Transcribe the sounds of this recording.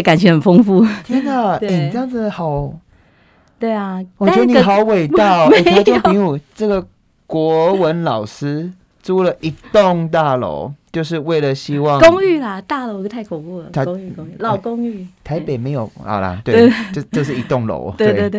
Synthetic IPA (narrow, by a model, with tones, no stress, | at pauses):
ka˨˩nt͡ɕʰɛ˧˥xə˨˩nfo˥ŋfu˥˧t̪ʰi˦˥ŋa˧ɛ˧˩ni˨ʈ͡ʂə˥jɑ˥˩ŋd͡zɨ˩hɑ˨˩ʊ | t̪we˥˩ɪɐ˩wɔ˨˩jɛ˥də˦n˨xɑ˨˥ʊwe˨˩ɪt̪ɑ˥˩me˨˩˧t͡ɕpi˧˥˦u˨˩ʈ͡ʂɤ˥˩ɡə˨ | kwɔ˧˥wə˧˦nlɑ˨˩ʊʂɻ̩˥ | ʈ͡ʂu˥lə˨ʔi˨˩t̪o˥˨ŋt̪a˥˩lo̰˧˥ʊt͡ɕjo˥˧ʊʂ̬ɻ̩˥˧we˥˩ɪlə˨ɕi˥wɑ˥˨ŋkʊ˥ŋy˥˩la˨t̪a˥˧lo˧˦o˥t̪ʰa˥˩ɪkʰo˨˩ku˥˩lə̰˨a˧˥ŋy˥˧˥lɑ˥˨ʊko˥ŋy˥˩t̪ʰa˧˦ɪpe˨˩ɪme˧˥ɪjo˨˩ʊa̰˨˩la̰˨t̪we˥˩e˥˧˩t͡ɕo˥˧t͡ɕjo˥˧ʊʂɻ̩˥˩i˧˥t̪o˥˩ŋlo̰˧˥ʊwwe˥˧e˥˨